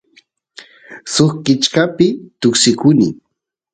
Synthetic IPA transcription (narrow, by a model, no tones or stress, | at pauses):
soχkɪt͡ʃkapɪt̪ʊksɪkʊnɪ̰